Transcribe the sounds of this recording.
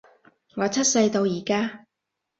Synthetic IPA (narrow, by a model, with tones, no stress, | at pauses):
ŋɔː˨˧t͡sʰɐ˥t̚sɐ˧jt̪o˧wjiː˨˩kaː˥